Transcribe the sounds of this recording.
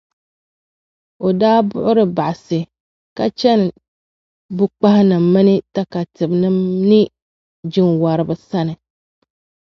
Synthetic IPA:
o˨daː˦bʊ̰˦ʔʊ˦ɾɨ˦ba˨ʔa˨sɨ˨ | ka˦t͡ʃɛ˦n˨ | bʊ˦k͡pa˦hɪ˦nɨ˨mːɨ˦nɨ˦ta˦ka˨tɨ˨bnɨ˦mnɨ˦ | d͡ʒɪ˦ŋwa˨ɾɨ˨bɨ˨sa˦nɨ˨

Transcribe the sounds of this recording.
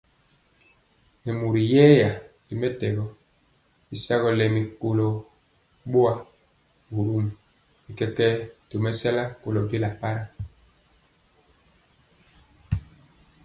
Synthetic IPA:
mɛ˨mu˨ɾi˨jɛː˦ja˨ | i˨mɛ˦tɛ˨ɣɔ˦ | i˦sa˦ɣɔ˨lɛ˨mi˨ko˨lɔ˨ | ɓo˦a˨ | bu˨ɾu˦m˨ | i˨kɛ˦kɛ˦to˨mɛ˦sa˦la˦ko˨lɔ˨bi˦la˨pa˦ɾa˨

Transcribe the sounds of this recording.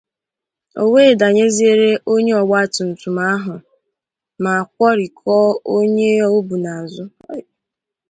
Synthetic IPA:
o˦weː˦˨da˨ɲe˦zi˦e˦ɾe˦ʔo˦ɲe˦ɔ˨ɡ͡ba˦˨tʊ˨n̩˨tu˨ma˦a˦ɦʊ˨ | ma˨a˨k̚ʷɔ˦ɾi˨kʰɔː˦o˦ɲe˦o˦bu˨na˨zʊ˦

